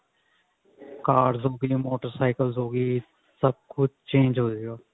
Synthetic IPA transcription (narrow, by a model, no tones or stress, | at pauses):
kaːɖzoːɡĩːmoːʈəɾsaːɪkəlzoːɡiː | səb̚kʰʊd̪̚t͡ʃẽːnd͡ʒɦoːd͡ʒeɡaː